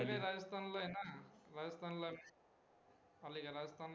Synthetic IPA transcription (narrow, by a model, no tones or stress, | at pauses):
ɡeɾaːd͡ʒɐst̪ʰaːnloːjnaɾaːd͡ʒɐst̪ʰaːnlo | ɐlikaɾaːd͡ʒɐst̪ʰaːnl